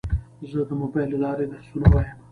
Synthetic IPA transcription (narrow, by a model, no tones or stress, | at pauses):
zəd̪əmobɑjlelɑɾed̪asunawajəm